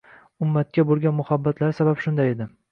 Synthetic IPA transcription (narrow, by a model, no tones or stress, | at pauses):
ʊmːat̪̚kʲabolˠɡʲanmʊhabːat̪ʰlaɾsabapʃʊnd̪ajed̪ɪ